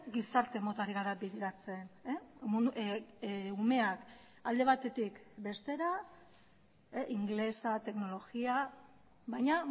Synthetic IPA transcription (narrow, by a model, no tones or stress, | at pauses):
ɡisaɾt̪e̞mo̞t̪aɾiɣaɾabiðeɾat͡se̞nemu | ume̞ak | ald̪e̞β̞at̪e̞t̪ikbe̞st̪e̞ɾa | eʔiŋɡle̞sat̪e̞kno̞lo̞ɣia | βajɲa